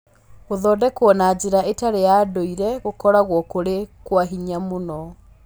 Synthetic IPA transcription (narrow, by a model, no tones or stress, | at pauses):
oðɔdɛkwɔnad͡ʑeɾaetaɾejaːdoiɾɛɣokɔɾaɣwɔkoɾekwaɦiɲamonɔ